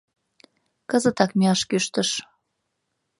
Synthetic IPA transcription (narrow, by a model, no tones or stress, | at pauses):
kəzət̪ɑkmeɑʃkyʃt̪əʃ